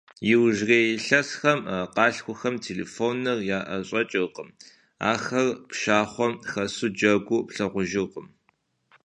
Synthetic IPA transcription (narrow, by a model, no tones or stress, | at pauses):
jɪwʒreːjɪɬɐsxɐmqɑːɬxʷʊxɐmtʰeːlḛːfoːnɐrjaːʔɐɕʼɐt͡ʃʼɪrqəm | a̰ːxɐrpʃaːχʷɔmxɐsud͡ʒɐɡʷʊpɬɐʁʷʊʒɪqəm